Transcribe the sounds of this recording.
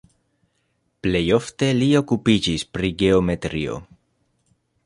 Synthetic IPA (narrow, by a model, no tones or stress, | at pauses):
ple̞jo̞fte̞lio̞kupid͡ʒispɾiɡe̞ome̞tɾio̞̰